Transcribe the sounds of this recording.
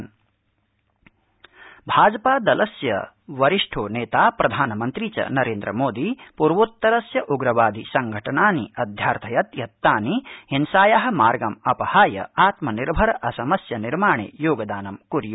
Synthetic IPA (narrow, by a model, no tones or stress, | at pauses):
n | bʱaːd͡ʒɐpaːd̪ɐlɐsjɐ̰ | ʋɐɾiʂʈʰoːneːt̪aːpɾɐd̪ʱaːnɐmɐnt̪ɾit͡ʃɐ̰nɐɾeːnd̪ɾɐmoːd̪ipuɾʋut̪ːɐɾɐsjɐʔuɡɾɐʋaːd̪ʱisɐŋɡʱɐʈɐnaːniɐd̪ʱjaːɾt̪ʰɐjɐt̪jɐt̪ːaːnihinsaːjaːɦɐ̆maːɾɡɐmɐpɐhaːjɐ̰aːt̪mɐniɾbʱɐɾɐʔɐsɐmɐsjɐniɾmaːɳḛːjoːɡɐd̪aːnɐmkuɾju